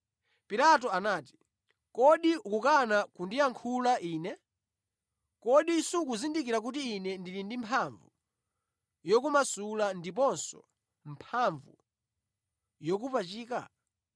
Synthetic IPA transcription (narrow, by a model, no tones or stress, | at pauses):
pilat̬ɔanaːti̥ | kɔɗiukukanakundijaŋkʰulaʔiːnɛ | kɔɗisuk̬uzindikiɾak̬ut̬iːnɛndilindimpʰaɱvu | jɔkumasulandip̬ɔnsɔ̰ | mpʰaɱvṵ | jɔk̬upat͡ʃiːka̰